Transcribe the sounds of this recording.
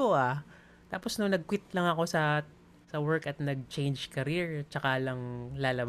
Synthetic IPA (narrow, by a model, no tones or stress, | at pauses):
oʔa | t̪aːposnʊŋnɐɡ̚kwɪt̪̚lɐŋɐko̞sɐ | sɐwɛɹkɐt̪̚nɐɡ̚t͡ʃejnd͡ʒkɐɾiɹt͡ʃɐkalɐŋlaːlɐb